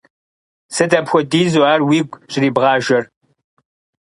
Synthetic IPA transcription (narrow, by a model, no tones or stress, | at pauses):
sɨdɐpxʷɔdiːzoaːrwiːɡʷɕʼɪɾiːbʁɑːʒɐr